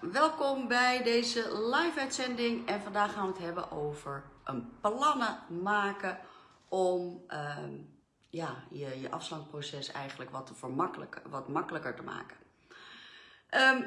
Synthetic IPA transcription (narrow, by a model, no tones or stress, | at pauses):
ʋɛlˠkɔmbɛjdejzəlajfœɥtsɛndɪŋɛnvɑndaːχaːnʋətɦɛbə̰ʔowvəɹʔənplɑnəmaːkə | ʔɔmə | jaːjəjəʔɑ̰fslɑŋprosɛsɛ̰jχənləkʋɑtəvəɹmkʋɑtmɑkələkəɹtəma̰ːkə̥ | ʔə